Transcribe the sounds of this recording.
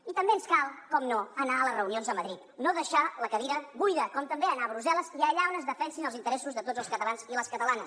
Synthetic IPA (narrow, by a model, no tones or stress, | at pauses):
it̪əmbeənskalˠkɔmnoənaələzrəunionzəməðɾit̪noðəʃaləkəβiɾəβujðəkɔmt̪əmbeənaβɾuzɛlˠəziəʎaonəzðəfɛnsinəlˠzint̪əɾɛsuzðət̪od͡zəlˠskət̪əlˠanziləskət̪əlanəs